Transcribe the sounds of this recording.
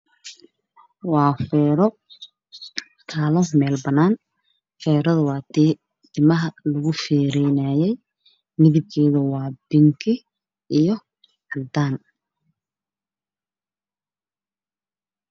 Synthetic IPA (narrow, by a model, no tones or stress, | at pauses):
wɑːfɛːɾɔ | kʰaːlɔmɛːlbɐnaːn | fɛːɾɐðʊwɑːt̪ʰiː | t̪ʰɪmɐɦɐlɐɣʊfɛːɾɛjnaːjɛj | nɪðɪkʰɛːðɐwɑːbɪŋkʰɪ | ijɔ | ħɐld̪aːn